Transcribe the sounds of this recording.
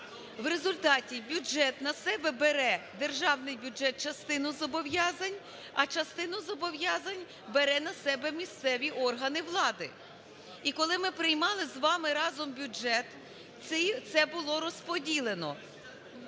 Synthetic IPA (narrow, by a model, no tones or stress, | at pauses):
ʋre̞zʊlʲt̪ɑtʲibʲʊd͡ʒɛt̪nɐsɛbɛbeɾɛd̪e̞rʒɑwnɪjbʲʊd͡ʒɛt̪̚t͡ʃɐst̪ɪnʊzɔbɔwjɑzɐnʲ | ɐt͡ʃɐst̪ɪnʊzɔbɔʋjɑzɐnʲ | beɾɛnɐsɛbɛmʲist̪sɛʋʲiʔɔrɦɐnɪʋlˠɑd̪ɪ | ikɔlˠɪmɪpɾɪjmɑlˠɪzʋɑmɪɾɑzɔmbʲʊd͡ʒɛt̪ | ɪt̪sɛbʊlˠɔɾɔspɔdʲilˠenɔ̰